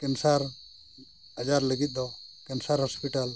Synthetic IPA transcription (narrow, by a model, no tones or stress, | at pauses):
kɛnsaɾ | ad͡ʒaɾləɡit̪̚ˀd̪ɔkɛnsaɾhɔspiʈal